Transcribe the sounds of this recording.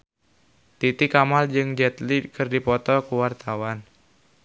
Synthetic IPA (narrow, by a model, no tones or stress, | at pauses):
t̪it̪ikamald͡ʒɨŋd͡ʒɛt̪likɨrdipɔt̪ɔkuwart̪awan